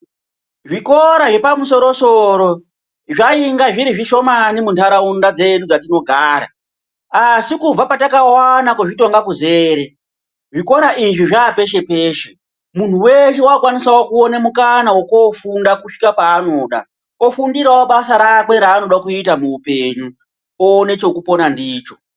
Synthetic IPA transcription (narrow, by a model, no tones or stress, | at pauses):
ʐiko̞ɾaʐe̞pamuso̞ɾo̞soɾo̞ | ʐaiŋɡaʐiɾiʐiʃo̞manimuntʰaɾaundad͡ze̞ɗud͡zat̬ino̞ɡʱaːɾa̰ | asikub͡vapatakawanakoʐito̞ŋɡakuze̞ːɾe | ʐiko̞ɾaʔiʐiʐaːpe̞ʃe̞peːʃe | mun̤uweʃ̬ewaokwanisawokuonemukanawokofundakuʂi̥kapaːno̞ɗa̰ | ofundiɾawoɓasaɾak̬we̞ɾaːno̞ɗakuitamuupe̞ɲu | one̞t͡ʃo̞kupo̞nandiːt͡ʃo̞̥